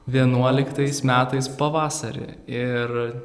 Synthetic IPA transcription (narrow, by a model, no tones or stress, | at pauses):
ʋʲiɛnuɔlʲɪkt̪ɐɪsmʲæːt̪ɐɪspɐʋɑːsɐɾʲɪ̰ɪɾ